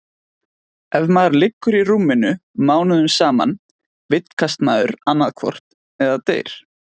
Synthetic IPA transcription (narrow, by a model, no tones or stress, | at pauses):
ɛvmaɾlɪkːʏɾiruːmɪnʏmaːwnʏðʏmsaːma̰n | vɪt̪n̥kʰast̪naðʏɾanːaðkʰvɔ̰r̥t̪ | ɛðat̪ḛːjɾ̥